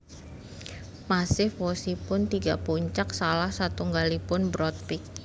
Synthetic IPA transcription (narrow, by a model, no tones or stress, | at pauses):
masɪhfosipʊnt̪iɡa̰puɲt͡ʃak̚salahsat̪uŋɡalipʊnbɾɔt̪̚pɪk̚